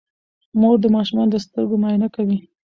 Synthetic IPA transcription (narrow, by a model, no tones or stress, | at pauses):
moɾd̪əmɑʃumɑnd̪əst̪əɾɡomɑjɪnakawi